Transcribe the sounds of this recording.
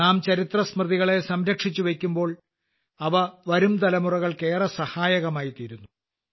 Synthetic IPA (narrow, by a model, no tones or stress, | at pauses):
aːmt͡ɕɐɾit̪rɐsmrɨðiɣɐɭe̞sɐmɾɐkʂit͡ɕːuʋe̞kʲːumbo̞ːɭ | ɐʋɐʋɐɾumt̪ɐlɐmurɐɣɐɭke̞ːrɐsɐhaːjɐɣɐmaːjit̪iːɾunːu